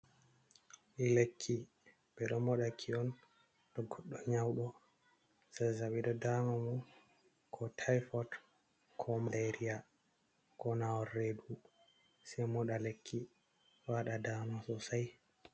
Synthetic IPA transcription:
ʔilekʰːi | bɛɗɔmɔɗakʰiɔn | ɗɔɡɔɗːɔɲawɗɔ | sajsaɓiɗɔdamamu | kʰɔtʰajfɔt | kʰɔmaleɾia | kɔnawɔrːedu | sɛjmɔɗalekʰːi | waɗadaːmasɔsaj

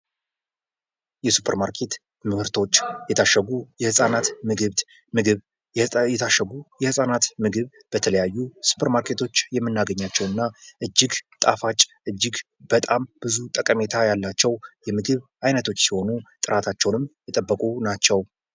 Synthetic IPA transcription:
jɛsu̥pʰəɾmaɾkʰet̪ | mɨhɨɾt̪ʰo̞t͡ʃːjɛt̪ʰaʃəɡujɛhɨsʼanat̪mɨɡɨβ | mɨɡɨβ | ɛt̪ʰaʃɛɡujɛhɨsʼanat̪mɨɡɨβ | b̥ət̪ʰələjajːusu̥pʰəɾmaɾkʰe̞t̪ʰo̞t͡ʃːjɛmːɨnːaɡəɲːat͡ʃːɛwɨnːaʔɨd͡ʒːɪɡt̪ʼa̰fat͡ʃʼːʔɨd͡ʒːɪɡ | b̥ət̪ʼamb̥ɨzut̪ʼəkʼəme̞t̪ʰajalːat͡ʃːɛwjɛmɨɡɨβʔajnət̪ʰo̞t͡ʃːsiho̞nut̪ʼɨɾʔat̪ʰat͡ʃːɛwnɨmjɛt̪ʼəbːəkʼunat͡ʃːɛw

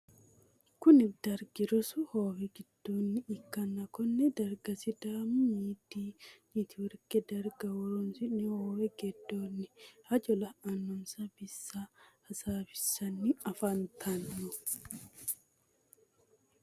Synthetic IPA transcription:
kʊnɪfd̪̥ɐɾɡɪɾɔsʊhoːwɛɡɪd̪̥ːoːnːɪːkːɐnːɐkɔnːɛd̪ɐɾɡɐsɪd̪aːmʊmiːd̪iːnit̪ʰɪwʊɾkɛd̪ɐɾɡɐwʊɾɔnsɪnihoːwɛɡɛd̪ːoːnːɪhɐd͡ʒɔlɐɐnːʊmsɐbɪsːaɐsaːfɪ̥sɐnːiɐfɐnt̪ʰɐnːʊ

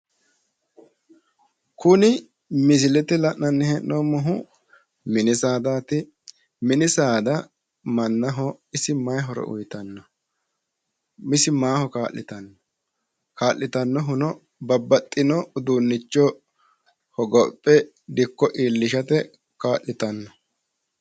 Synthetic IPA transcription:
kʊnɪ | mɪsɪlɛt̪ɪlɐʔnɐnːɪhɛnːoːmɔɦʊ | mɪnɪsaːd̪aːt̪ɪ | mɪnɪsaːd̪ɐ | mɐnːɐɦɔɪsɪmɐjɦɔɾɛ̰ʔʊ̰jt̪ɐnːɔ | mɪsɪmaːhɔkaːlːɪt̪ɐnːɔ̥ | kaːʔːɪt̪ɐnːɔɦʊnɔ | bɐbːɐt̪ʼːɪnɔʊd̪unːɪt͡ʃːɔ | hɔɡɔpʼːɛ | d̪ɪkːɔʔiːlːɪʃɐt̪ɛ | kaːʔɪt̪ɐnːɔ

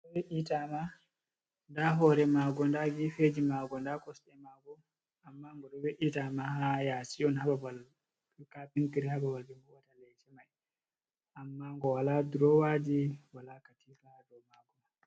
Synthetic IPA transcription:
ɔbɛʔitama | ndaɦɔɾɛmaɡɔndaɡifed͡ʒimaɡɔndakɔsɗɛmaɡɔ | amːaŋɡɔɗɔbɛʔitamahajasiɔnhababal | kapiŋkiɾihababalbɛŋɡɔwatalɛt͡ʃɛmaj | ʔamːaŋɡɔwaladuɾɔwad͡ʒiwalakatiladɔmaɡɔma

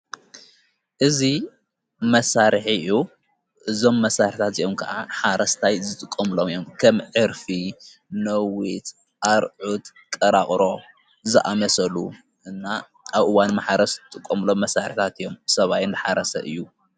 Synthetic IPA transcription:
ʔɨzi | mɐsaɾħiu | ʔɨzo̞mːɐsaɾħt̪ʰat̪ijomkʰɐʔaħaɾɐst̪ʰajzɨt̪ʼɨkʼːɐmɨlomijo̞mkʰɐmʕɨɾfi | nɐwit̪ | ʔaɾʕut̪ | kʼɐɾaχʼɾo̞ | zɨʔamɐsɐlu | ʔɨnːa | ʔaβʔɨwanmaħaɾɐst̪ʼɨkʼːɐmɨlo̞mːɐsaɾɨħit̪ʰat̪ɨjo̞msɐβajɨnd̪ɨħaɾɐsɐ̰ʔɨjːu

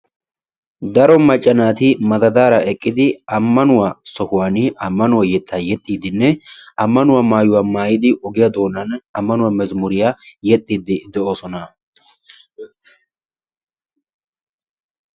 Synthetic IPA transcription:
d̪ɐɾɔmɐt͡ʃʼːɐnaːt̪ɪmɐd̪ɐd̪aːɾɐɛkʼːɪd̪ɪɐmːɐnʊwasɔhʊwaːnɪʔɐmːɐnʊwajɛt̪ʰːajɛt̪ʼːiːd̪ɪnːɛʔɐmːɐnʊwamaːjʊwaːmaːjɪd̪ɪʔɔɡɪjad̪o̞ːnɐnɐmːɐnʊwamɛzmʊɾɪjajɛt̪ʼːiːd̪ɪd̪ɛʔo̞ːsɔnɐ

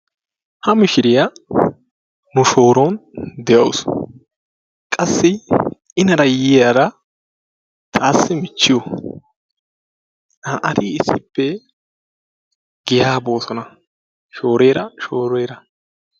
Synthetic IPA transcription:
hɐmɪʃɪɾɪja | nʊʃo̞ːɾond̪ɛjɐwʊs | kʼɐsːɪ | ɪnɐɾɐjɪːjaɾɐ | t̪ʰaːsːɪmɪt͡ʃːɪjɔ | ɐʔɐd̪iːɪsːɪpːɛ | ɡ̥ɪjaːbo̞ːsɔnɐ | ʃo̞ːɾeːɾɐʃoːɾeːɾɐ

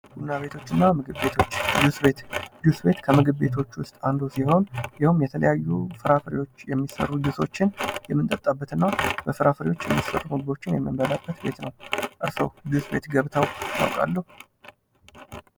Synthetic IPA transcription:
b̥ud̪naβe̞t̪ʰo̞t͡ʃːɨnːamɨɡɨβːe̞t̪ʰo̞t͡ʃːd̪usbet̪d̪usbe̞t̪kʰəmɨɡɨβːe̞t̪ʰo̞t͡ʃːwʊst̪ʼand̪osiho̞njɪhumjɛt̪ʰələ̰jajːufɨɾafəɾiwo̞t͡ʃːjɛmːisə̰rːud̪uso̞̰t͡ʃːɪnjɛmːɨnt̪ʼət̪ʼːabːət̪ɨnːab̥əfɨɾafəɾiwo̞t͡ʃːjɛ̰mːisə̰rːumɨɡɨbo̞t͡ʃːɪnjɛ̰mːɨmbəlabːət̪be̞̰t̪nə̰wʔɨɾsə̰wd̪usbe̞̰t̪ɡəβt̪ʰəwna̰wkʼa̰lːəhu

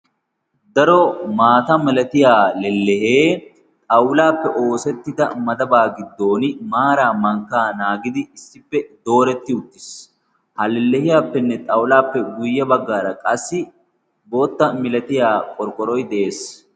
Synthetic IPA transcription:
d̪ɐɾɔmaːt̪ɐmɪlɐt̪ɪjaːlɛlːɛheː | t̪ʼɐwlaːpːɛʔo̞ːsɛt̪ːɪd̪ɐmɐd̪ɐbaːɡɪd̪ːo̞ːnɪmaːɾaːmɐŋkːaːnaːɡɪd̪ɪɪsːɪpːɛd̪o̞ːɾɛt̪ːɪʊt̪ːɪs | hɐlɛlːɛhɪjaːpːɛnːɛt̪ʼɐwlaːpːɛɡʊjːɐbɐɡːaːɾɐkʼɐsːɪ | bo̞ːt̪ːɐmɪlɐt̪ɪjaːkʼɔɾkʼːɔɾɔjd̪ɛʔe̞ːs

